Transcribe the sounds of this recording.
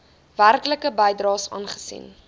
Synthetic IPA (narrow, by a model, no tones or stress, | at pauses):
værkləkəbəjdrɑːsɑ̰ːnχə̥sḭn